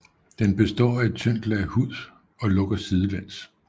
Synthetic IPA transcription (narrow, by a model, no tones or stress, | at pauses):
d̥enb̥e̝sd̥ɒ̰ːæe̝d̥̚t͡sʰøn̰d̥l̩æhuð̰ˠ | ɒ̽lɔ̽ɡ̥ɐsiːð̞ˠəlen̰s